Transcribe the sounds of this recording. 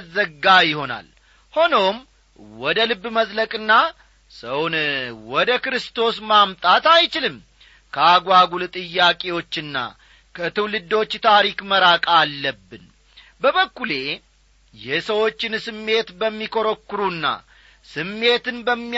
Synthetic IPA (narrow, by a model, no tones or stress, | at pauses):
zːəɡajɪho̞na̰l | ho̞no̞m | wɔd̪əlɨbːməzləkʼɨnːa | səwnwɔd̪əkɾɨst̪ʰo̞smamt̪ʼat̪ajt͡ʃɪlɨm | kʰəaɡʷaɡult̪ʼɨjːakʼe̞wo̞t͡ʃːɨnːa̰ | kʰət̪ʰɨwlɨd̪o̞t͡ʃːt̪ʰaɾikməɾakʼalːəbːɨn | bəβəkːule̞ | jɛsəwo̞t͡ʃːɪnsɨmːe̞t̪bəmːikʰo̞ɾəkːɨɾunːa̰ | sɨmːe̞t̪ɨnbəmːi